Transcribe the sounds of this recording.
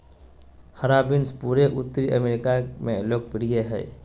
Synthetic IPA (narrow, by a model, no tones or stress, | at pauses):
həɾaːbɪnspuːɾeʔʊt̪ːɾiʔəmeːɾɪkamẽloːɡ̚pɪɽ̤ijeɦɛ̰ː